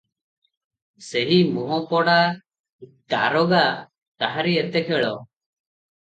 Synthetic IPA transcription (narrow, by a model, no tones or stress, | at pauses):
seɦimɔɦɔpɔɽa | t̪a̰ɾɔɡa | t̪aɦaɾiɛt̪ɛkʰɛɭɔ